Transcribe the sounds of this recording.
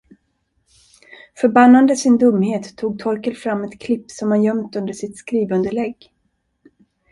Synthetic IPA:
fœɾbanːand̪əsɪnd̪ɵmːheːt̪ʰːuːɡ̚t̪ʰɔɾkəlfɾamːɛt̪kʰlɪpːsɔmhanjœmt̪ɵnd̪əʂɪt̪skɾiːvɵnd̪əɭɛɡ

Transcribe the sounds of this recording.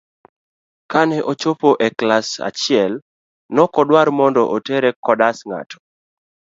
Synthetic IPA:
kanɛʔot͡ʃopoʔɛklasa̰t͡ʃɪɛl | nɔkɔdwarmɔndɔʔotɛɾɛkɔdasŋa̰tʰɔ̥

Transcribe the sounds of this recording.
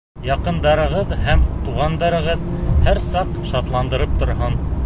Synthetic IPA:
jɑqɤ̆nd̪ɑɾɤ̆ʁɤðhæmt̪uʁɑnd̪ɑɾɤ̆ʁɤðhæɾsɑqʃɑt̪lˠɑnd̪ɤ̆ɾɤp̚t̪ŏɾɦɤn

